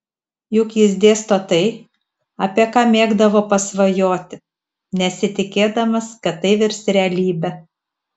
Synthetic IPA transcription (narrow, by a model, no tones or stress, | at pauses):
jʊkjɪzʲd̪ʲeːst̪ot̪ɐɪ | ɐ̰pʲiɛkɑːmʲeːɡd̪ɐʋoːpɐsʋɐjoːt̪ʲɪ | nʲɛsʲɪt̪ʲɪkʲeːd̪ɐmɐskɐt̪ːɐɪʋʲɪɾʲsɾʲɛɐlʲiːbʲɛ